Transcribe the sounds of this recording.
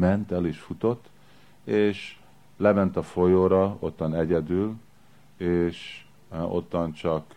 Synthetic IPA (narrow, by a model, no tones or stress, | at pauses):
mɛnt̪ɛleːʃfut̪o̞t̪ː | eːʃ | lɛmɛnt̪ɒfo̞joːɾɒo̞t̪ːɒnɛɟɛd̪yl | eːʃ | o̰t̪ːɒnt͡ʃɒk